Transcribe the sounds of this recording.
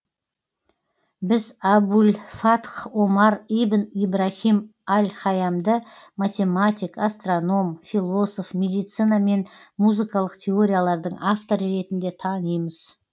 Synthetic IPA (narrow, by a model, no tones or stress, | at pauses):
bɪzabulfat̪χo̞mɑɾijbənibɾaχimalʲχɑjɑmd̪ə | mat̪ʲe̞mat̪ʲijkast̪ro̞no̞mfilˠo̞so̞fmʲe̞d̪ijt̪sɨnɑme̞nmuzɨkɑlˠəqt̪ʰe̞o̞ɾʲijalˠɑɾd̪əɴaft̪o̞ɾəɾe̞t̪ɪnd̪e̞t̪ʰɑnəjməz̥